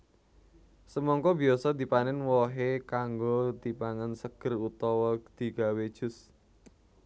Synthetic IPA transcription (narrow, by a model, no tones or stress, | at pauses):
səmɔŋkɔbi̤ɔsɔd̪i̤panɛnwɔɦekaŋɡod̪̥i̤paŋənsəɡ̥ə̤rut̪ɔwɔd̪̥i̤ɡ̥a̤wed̥ʒ̥ʊ̤s